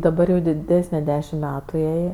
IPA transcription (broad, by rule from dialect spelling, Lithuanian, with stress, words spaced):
dɐˈbɐr jɛʊ dʲɪˈdʲæːsʲnʲɛ ˈdʲæːʃʲɪm ˈmʲæːtʊ ˈjɛɪ